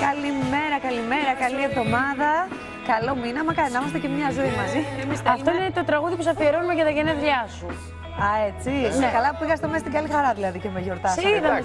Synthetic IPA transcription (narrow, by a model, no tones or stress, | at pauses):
kɐlime̞ɾɐkɐlime̞ɾɐkɐlievðo̞mɐðɐ | kɐlo̞minɐmɐkɐenɐmɐst̪ecemɲɐzuemɐzimst̪ɐft̪oinet̪o̞t̪ɾɐɣuðipusɐfieɾonumecɐt̪ɐʝeneðʎɐsu | ɐet͡sikɐlɐpiɣɐst̪omest̪iɡɐlixɐɾɐðilɐðicemeʝo̞ɾt̪ɐsðɐ